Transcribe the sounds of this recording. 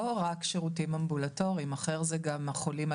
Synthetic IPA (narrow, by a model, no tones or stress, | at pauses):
oʁakʃeʁutimambulato̞ʁiimaχeʁzeɡamaχolima